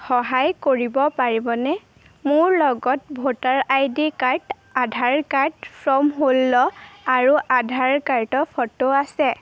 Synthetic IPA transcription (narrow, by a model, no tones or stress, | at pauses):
xɔɦajkoɹibɔpaɹibɔnɛ | mʊɹlɔɡɔt̚bʱotaɹajdikaɹt | adʱaɹkaɹtpʰɹɔmɦolːɔaɹuʔadʱaɹkaɹtɔpʰɔtoasɛ